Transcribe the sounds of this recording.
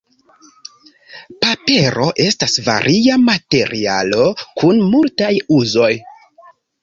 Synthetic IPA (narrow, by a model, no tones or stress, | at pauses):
pape̞ɾo̞ʔe̞stasva̰ɾʔiamate̞ɾʔialo̞kʰunmultajuzo̞j